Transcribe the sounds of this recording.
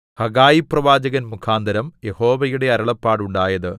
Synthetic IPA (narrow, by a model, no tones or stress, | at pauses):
hɐɡaːjiprɐʋaːd͡ʑɐɣɐnmukʰaːnd̪ʱɐɾɐmje̞ho̞ːʋɐjuɽe̞ɐɾɐɭɐpːaːɽuɳɖaːjɐðɨ